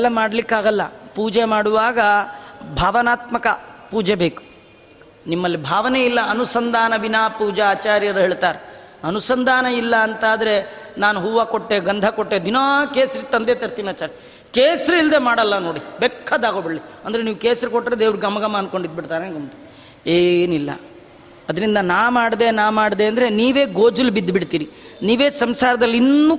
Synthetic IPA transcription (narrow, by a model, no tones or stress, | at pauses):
ɐlːɐmaːɽɐlikːaːɡɐlːɐpuːd͡ʒemaːɽuʋaːɡɐbʱaːʋɐnaːt̪mɐkɐpuːd͡ʒebeːku̥ | nimːɐlːibʱaːʋɐneilːɐːnusɐnd̪ʱaːnɐʋinaːpuːd͡ʒɐaːt͡ʃaːɾjɐɾuɦeːɭt̪aːɾe | ɐnusɐnd̪ʱaːnɐilːɐːnt̪aːd̪ɐɾe | naːnuɦuːʋakoʈːeɡɐnd̪ʱɐkoʈːed̪inaːkeːsɐɾit̪ɐnd̪et̪ɐɾt̪iːnaːt͡ʃaːɾɐ | keːsɐɾiild̪emaːɽɐlːɐnoːɽibekʰːɐd̪aːɡobiɽliɐnd̪ɐɾeniːʋukeːsɐɾikoʈːɾed̪eːʋɾuɡɐmːɐɡɐmɐːnko̞ɳɖid̪̚biɽt̪aːɾenɡɐmʈ | eːnilːɐ̰ | ɐd̪ɐɾind̪ɐnaːmaːɽd̪e̞naːmaːɽd̪e̞ːɐnd̪ɐɾeniːʋe̞ːɡoːd͡ʒulbid̪ːbiɽt̪iːɾiniːʋeːsɐmsaːɾɐd̪ɐlːinːu